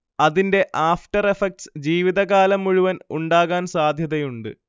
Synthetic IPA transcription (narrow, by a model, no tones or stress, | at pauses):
ɐðinde̞ʔaːfʈɐrefek̚ʈsd͡ʑiːʋiðɐɣaːlɐmːuɻuʋɐnuɳɖaːɣaːnsaːd̪ʱjɐðɐjuɳɖɨ̰